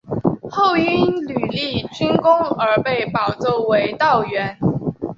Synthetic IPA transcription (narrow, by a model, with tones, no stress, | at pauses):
xo˥˩ʊy˥nly˨˩li˥˩t͡ɕy˥nkʊ˥ŋə˞˧˥pe˥˩ɪpɑ˨˩ʊt͡so˥˩ʊwe˧˥ɪt̪ɑ˥˩ʊɥɛ˧˥n